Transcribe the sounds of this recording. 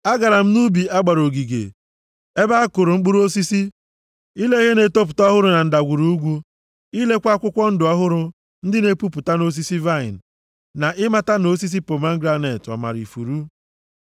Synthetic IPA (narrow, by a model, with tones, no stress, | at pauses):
a˦ɡa˨ɾa˨m̩˦nu˦bi˨a˦ɡ͡ba˨ɾo˨ɡi˨ɡḛ˨ | e˦ba˦a˦kʊ˨ɾʊ˨ŋ͡m̩˦ɡ͡bu˦ɾu˦o˦si˦si˦ | i˦le˦ɣe˦ne˨to˦p̬ʊ˨tɔ˦ɦʊ˦ɾʊ˨na˨n̩˦da˨ɡʷu˨ɾu˦u˦ɡʷu˦ | i˦le˦kʷa˦kʷʊ˦kʷɔ˦n̩˦dʊ˨ɔ˦ɦʊ˦ɾʊ˦ | n̩˦dɪ˦ne˦pu˦pʊ˨ta˦no˦s̬i˦si˦va˦ɪ̰˨n̩˨ | na˨ʔɪ˦ma˦ta˦no˦s̬i˦s̬i˦po˨ma˦ŋ˦ɡɾa˦ne˨tɔ̰˨ma̰˨ɾḭ˨fṵ˨ɾu˦